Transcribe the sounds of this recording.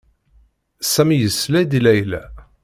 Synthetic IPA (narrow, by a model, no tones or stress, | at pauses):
sæmijəsːlæjd̪ilæjlæ